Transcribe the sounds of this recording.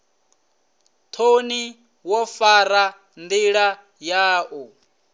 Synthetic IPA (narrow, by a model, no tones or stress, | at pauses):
t̪ʰoni | wɔfaɾa | nd̪iɺa | jaːʔu